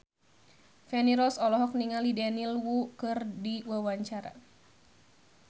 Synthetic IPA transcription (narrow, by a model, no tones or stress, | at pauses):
fɛniɾɔsɔlɔɦɔk̚niŋalidɛnilwukɨrdiwawaɲt͡ʃaɾa̰